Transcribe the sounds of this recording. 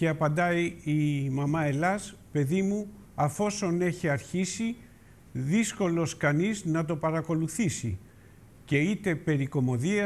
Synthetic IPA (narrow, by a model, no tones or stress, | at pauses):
eɐpɐnd̪ɐiimɐmɐe̞lɐs | pe̞ðimu | ɐfo̞so̞ne̞çiɐɾçisi | ðisko̞lo̞skɐniznɐt̪o̞pɐɾɐko̞luθisḭ | ce̞it̪e̞pe̞ɾiko̞mo̞ðiɐ